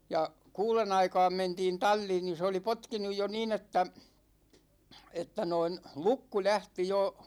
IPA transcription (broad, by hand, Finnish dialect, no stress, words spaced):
jɑ kuːlen ɑikɑːm mentiːn tɑlʲːiːn ni se oli potkinuj jo niːn etːæ etːæ noin lukːu læhti jo